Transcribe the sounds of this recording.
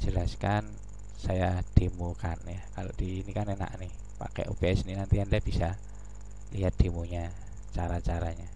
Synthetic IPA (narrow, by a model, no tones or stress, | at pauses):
d͡ʒ̥əlaskan | sajad̥emukanjakalod̥iːnikanena̰ʔnɪh | pa̰kɛ̰ʔṵbeɛsninant̪iandiab̥isa | liɦat̪̚d̪̥emuɲa | t͡ʃaɾat͡ʃaɾaɲa